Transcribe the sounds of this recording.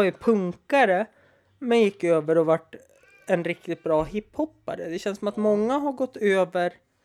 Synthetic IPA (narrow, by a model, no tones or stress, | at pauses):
ajʉpʰɵŋkaɾə | mɛnjɪkːøːvəɾɔvaʈː | ɛnɾɪk̚t̪ɪt̪̚bɾɑːɦɪpːhɔpːa̰ɾəd̪ɛɕɛnsɔmat̪mɔŋːaɦaɾɡɔt̪ːøːvəɾ